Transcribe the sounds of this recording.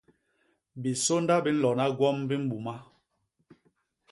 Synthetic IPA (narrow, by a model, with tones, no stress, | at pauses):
bi˨so˦nda˦bi˦n̩˦lɔ˨na˦ɡwɔ˦mbi˦m̩˦bu˨ma˦